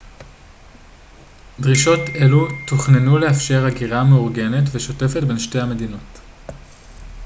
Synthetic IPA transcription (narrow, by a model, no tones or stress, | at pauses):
dʁiʃo̞te̞lutuχnenuleafʃe̞ʁaɡiʁameuʁɡe̞ne̞tveʃo̞te̞fetbe̞nʃtejhame̞dino̞t